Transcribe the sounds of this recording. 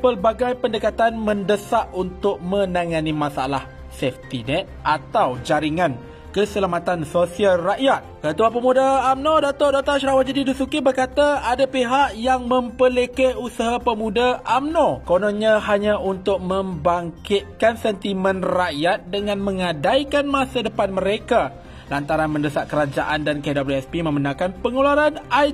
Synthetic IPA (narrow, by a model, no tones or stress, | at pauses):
pərbaɡajpəndəkat̪anmə̃ndəsaʔunt̪ʊk̚mə̃naŋanimasaa̰lah | sɛft̪inɛt̪̚ʔat̪awd͡ʒaɾiŋãn | kəsəlamat̪ansosialraʔjat̪̚kət̪uapəmudaamnodat̪ɔrdat̪ɔʃɾawat̪̚d͡ʒadidusukibərkat̪aadapiɦaʔjaŋmə̃mpəlekɛhusaɦapəmũdaʔamnokononɲãhaɲãunt̪ʊk̚mə̃mbaŋkɪt̪̚kansɛnt̪imə̃nraʔjat̪̚dəŋãnmə̃ŋadaikanmasadəpanmə̃ɾeka | lant̪aɾanmə̃ndəsaʔ̪̚kəɾad͡ʒaʔandankedobluɛspimə̃mənãkanpəŋolaɾanai